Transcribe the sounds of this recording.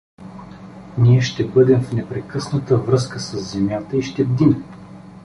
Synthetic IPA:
niɛʃt̪ɛbɤd̪ɛmfnɛpɾɛkɤsnət̪əvɾɤs̬kəsəsːɛmjat̪əiʃt̪ɛbd̪im

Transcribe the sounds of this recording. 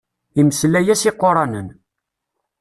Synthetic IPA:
iməslæjæsɪqːoɾˤɑnən

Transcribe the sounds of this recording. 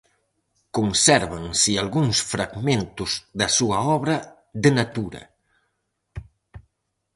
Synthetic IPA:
kunsɛɾβansialˠɣuŋsfɾaɡment̪uzðasuaɔβɾɐ | ðənat̪uɾɐ̰

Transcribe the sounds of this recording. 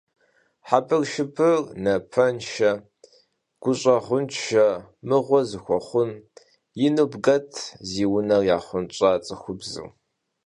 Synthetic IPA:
ħapʰʼɨrʃɪpʰɨrnɐpʰɐnʃɐ | ɡ̥ʷʊɕʷʼɐʁʷʊnt͡ʃʃɐmɨʁʷɔzɨxʷɔχʷʊn | jɪnubɡɐtʰziːwʊnɐrjaːχʷʊnt͡ʃʼat͡sʼɨxʷʊbzɨ̰w

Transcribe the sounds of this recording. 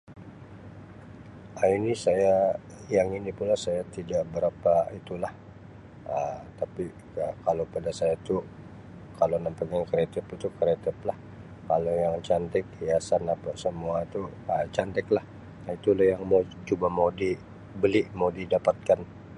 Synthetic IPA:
ainisaja | jaŋinipulasajat̪idaʔbəɾapait̪ulah | ət̪api | əkalopadasajat̪u | kalonəmpəŋaŋkɾet̪ɪpit̪ukɾet̪ɪplah | kalojaŋt͡ʃant̪ɛkijasanapasəmuat̪uət͡ʃant̪ɛklah | it̪ulahjaŋmat͡ʃubamawdi | bəlɪʔmawdidapat̪̚kan

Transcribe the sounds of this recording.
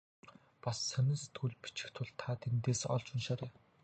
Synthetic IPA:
pasːœnʲɪ̆nst̪ʰuɮpi̥t͡ɕɪ̆xt̪ʰʊɮt̪ʰat̪ʰent̪eːsɔ̰ɮt͡ɕʊnʃaːɾeː

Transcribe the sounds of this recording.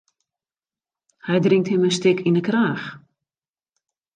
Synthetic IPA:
hɛjdrɪŋthɪməstɪkʰinəkraːx

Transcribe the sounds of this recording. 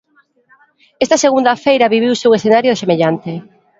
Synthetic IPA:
est̪ɐseɣund̪ɐfejɾɐβiβ̞iwsewesθenaɾjoðesemeʎant̪e

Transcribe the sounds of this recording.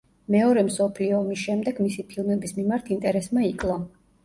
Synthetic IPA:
mɛɔɾɛmsɔpʰliɔːmisʃɛmd̪ɛɡmisipʰilˠmɛbismimaɾt̪ʰint̪ʼɛɾɛsmaikʼlˠɔ

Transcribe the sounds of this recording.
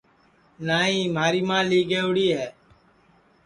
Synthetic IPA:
naːɦĩːm̤aːɾiːmãːliːɡeːʋɽiːɦɛː

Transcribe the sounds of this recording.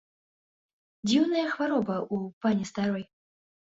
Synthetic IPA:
d͡zʲiwnɐjɐxvaɾɔbɐʔupanʲɛst̪aɾɔj

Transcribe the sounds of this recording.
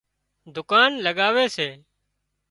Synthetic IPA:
d̪ʊkaːnləɠaːʋeːseː

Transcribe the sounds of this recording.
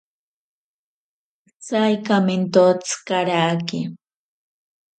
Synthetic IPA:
t͡sajkamɪnt̪ot͡skaɾaːkɪ

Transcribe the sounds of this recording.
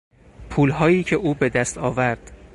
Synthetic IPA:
pʰuːlɦɒːjiːcʰe̞ʔuːbe̞d̪æst̪ɒːvæɾd̪̥

